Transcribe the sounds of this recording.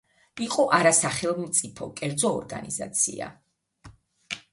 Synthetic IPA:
iqʼɔʔaɾasaχɛlˠmt̪sʼipʰɔkʼɛɾd̪zɔːɾɡa̰niza̰t̪sʰḭa̰

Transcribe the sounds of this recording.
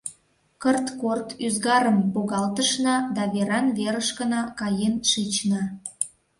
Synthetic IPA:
kərt̪kort̪yzɣɑɾəmpoɣɑlt̪əʃnɑd̪ɑβeɾɑnβeɾəʃkənɑkɑjenʃit͡ɕnɑ

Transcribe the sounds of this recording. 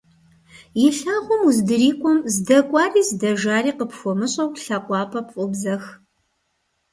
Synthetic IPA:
jɪɬaːʁʷɔmuzdɨriːkʷʼɔmzdɐkʷʼɑːriːzdɐʒaːɾiːqəpʰxʷɔmɨɕʼɐwɬɐqʷʼɑːpʰɐpfʼʊbzɐx

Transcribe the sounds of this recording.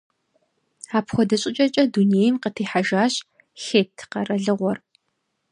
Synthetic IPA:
aːpxʷɔdɐɕʼɪt͡ʃʼɐt͡ʃʼɐduneːjɪmqətʰiːħaʒaːɕ | xeːtʰqɐrɐɮɨʁʷɔr

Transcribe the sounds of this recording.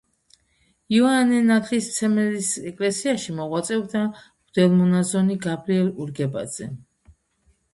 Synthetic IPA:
iɔanɛnat̪ʰlist̪sʰɛmɛlisɛkʼlɛsiaʃimɔʁwat̪sʼɛvd̪a | ʁ̥d̪̥ɛlˠmɔnazɔniɡabɾiɛluɾɡɛba̰d̪z̥ɛ

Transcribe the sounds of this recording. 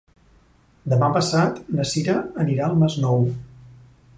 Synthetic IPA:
d̪əmapəsat̪nəsiɾəəniɾaəlˠmeznɔw

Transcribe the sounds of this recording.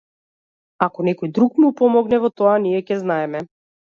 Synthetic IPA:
akɔnɛkɔjd̪ɾukmupɔmɔɡnɛvɔt̪ɔaniɛcɛznaɛmɛ

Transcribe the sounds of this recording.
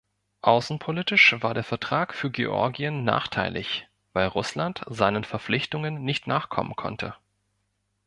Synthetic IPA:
ʔaʊsn̩pʰolitɪʃvaːɐdeːɐfɛɐtʁ̥aːkfyːɐɡḛʔɔ̰ɐɡiənːa̰ːχtʰaɪlʔɪ̰ç | v̥aɪlʁʊslantz̥aɪnənfɛɐflɪçtʊŋənːɪçtnaːχkʰɔ̰mə̰nkʰɔ̰ntʰə̰

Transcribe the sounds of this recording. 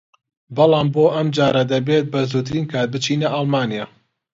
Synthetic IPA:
bɑlˠɑːmboːʔɐmd͡ʒaːɾɐd̪ɐbet̪̚bɐzuːɾt̪ɨɾiːnkʰaːt̪̚bɨt͡ʃiːnɐʔɑlˠmaːnijaː

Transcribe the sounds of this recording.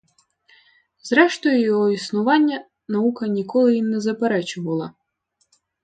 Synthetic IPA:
zɾɛʃt̪ɔjʊjɔɦɔisnʊʋɑnʲːɐ | nɐukɐnʲikɔlˠɪinːɛzɐpɛɾɛt͡ʃʊʋɐlˠɐ

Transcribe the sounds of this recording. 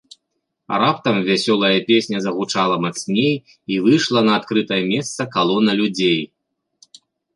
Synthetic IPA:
ɾap̚t̪ɐmvʲasʲɔlˠɐjɐpʲesʲnʲɐzɐɣut͡ʂalˠɐmat̪snʲej | ivɨjʂlˠɐnɐːt̪kɾɨt̪ɐjɐmʲɛst̪sɐkalˠɔnɐlʲud͡zʲej

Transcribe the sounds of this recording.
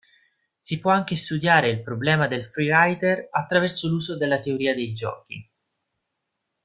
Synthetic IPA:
sipwɔaŋk̟est̪ud̪jaːɾeilpɾoblɛːmad̪elfɾiɾajt̪erat̪ːɾavɛrsoluːzod̪elːat̪eoɾiːad̪ejd͡ʒɔ̰ːk̟ḭ

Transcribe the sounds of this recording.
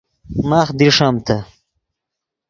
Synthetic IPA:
maːχd̪iʂamt̪ʰɐ

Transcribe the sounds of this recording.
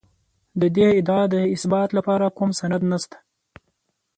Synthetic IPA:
d̪əd̪eɪd̪ɑd̪əɪsbɑːt̪lapɑɾakumsanad̪nast̪ḁ

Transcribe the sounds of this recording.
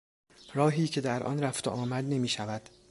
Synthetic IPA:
ɾɒːɦiːcʰe̞d̪æɾʔɒ̰nɾæft̪ḛʔɒːmæd̪ne̞miːʃævæd̪̥

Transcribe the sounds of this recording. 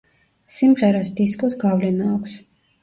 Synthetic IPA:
simʁɛɾasd̪iskʼɔsɡavlɛnaːkʷʰs

